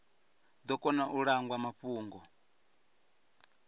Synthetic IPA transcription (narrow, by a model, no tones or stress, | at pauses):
d̪ɔkʼɔnaʔuɺaŋɡwamaɸuːŋɡɔ